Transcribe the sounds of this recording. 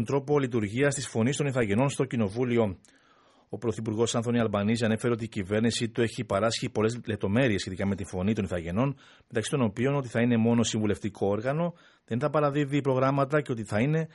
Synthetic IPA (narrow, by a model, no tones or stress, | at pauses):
nt̪ɾo̞po̞lit̪̬uɾʝiɐst̪isfo̞nist̪o̞niθɐʝe̞no̞nst̪o̞cino̞vulio̞ | o̞pɾo̞θipuɾɣo̞sɐnθo̞niɐlbɐnis̬ɐne̞fe̞ɾeo̞t̪iːcive̞ɾnisit̪ue̞çipɐɾɐsçipo̞le̞zlep̚t̪o̞me̞ɾie̞sçe̞t̪ikɐme̞t̪iɱfo̞nit̪o̞niθɐʝe̞no̞n | met̪ɐksi̥t̪o̞no̞pio̞no̞t̪̬iθɐine̞mo̞no̞siɱvule̞ft̪ikʰo̞o̞ɾɣɐno̞ | ðe̞nθɐpɐɾɐðiðipɾo̞ɣɾɐmɐt̪ɐceo̞t̪iθɐine̞